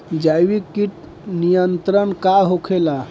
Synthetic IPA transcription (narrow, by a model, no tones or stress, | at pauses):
d͡ʒajwikːiʈ | nijənt̪ɾənkaɦokʰela